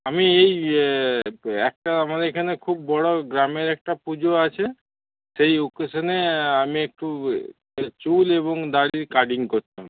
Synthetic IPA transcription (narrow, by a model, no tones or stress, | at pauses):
amiej | ɛk̚ʈaamad̪eɾkʰanekʰubːɔɽoɡɾameɾɛk̚ʈapud͡ʑoat͡ɕʰe | sejukosaneamiek̚ʈu | t͡ɕuleboŋd̪aɽiɾkaɾɖiŋkoɾt̪am